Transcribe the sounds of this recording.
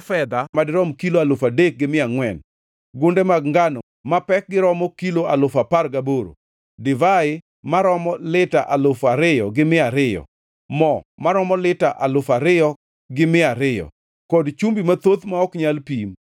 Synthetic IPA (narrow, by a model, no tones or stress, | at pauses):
fɛd̪amadɪɾɔmkiloalʊfadek̚ɡɪmɪaŋwɛn | ɡʊndemaɡŋɡanɔ | mapɛk̚ɡɪɾɔmɔkiloalʊfaparɡaboɾo̰ | dɪvaɪ | maɾɔmɔlɪta̰ʔalʊfaɾɪjɔɡɪmɪaɾɪjɔ̰ | mɔmaɾɔmɔlɪtaʔalʊfaɾɪjɔ | ɡɪmɪaɾɪjɔ̰ | kɔdt͡ʃumbimat̪ot̪maɔkɲalpim